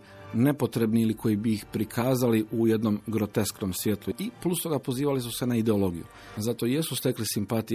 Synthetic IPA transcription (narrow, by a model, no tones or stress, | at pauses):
ne̞po̞t̪ɾe̞bniilikʰo̞jibiixpɾikʰaːzaliʔuje̞d̪no̞mɡɾo̞t̪e̞skno̞msʋje̞t̪luiplˠust̪o̞ɡapo̞ziːʋalisuse̞naid̪e̞o̞lo̞ːɡijṵ | zat̪o̞je̞sust̪e̞klisimpat̪i